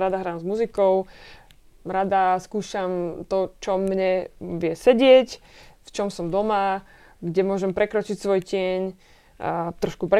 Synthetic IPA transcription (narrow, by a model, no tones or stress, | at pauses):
ɾad̪aɦɾaːmzmuzikɔʊ | ɾad̪askuːʃamt̪ɔt͡ʃɔmɲɛʋɪɛsɛɟɪɛcft͡ʃɔmsɔmd̪ɔma | ɡɟɛmʊɔʒɛmpɾɛkɾɔt͡ʃicsʋɔjcɪɛɲ | t̪ɾɔʃkupɾɛ